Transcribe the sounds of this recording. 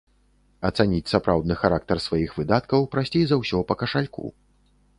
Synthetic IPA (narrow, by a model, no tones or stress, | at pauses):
ɐt̪sanʲit͡sʲsapɾawd̪nɨxaɾak̚t̪ɐrsvajixvɨd̪at̪kɐwpɾasʲt͡sʲejzɐwsʲɔpɐkɐʂalʲkṵ